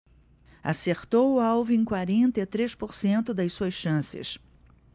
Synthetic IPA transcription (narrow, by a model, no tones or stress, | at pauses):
a̰seɾt̪owʊawvĩẽkwaɾẽnt̪et̪ɾespoɾsẽnt̪ʊd̪ɐjsuɐsʃɐ̃sɪ̰s